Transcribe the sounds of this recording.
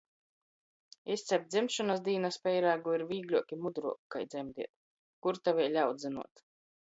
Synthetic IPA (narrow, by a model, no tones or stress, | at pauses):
ist̪sʲɛɾ̚d̪zimʃɔnasd̪iːnaspʲɛjɾaːɡuiɾviːɡlʲuɔkʲimud̪ɾuɔkka̰jd̪zʲɛmd̪ḭɛt̪̚ | kuɾt̪avʲiɛlʲawd̪zɨnṵɔt̪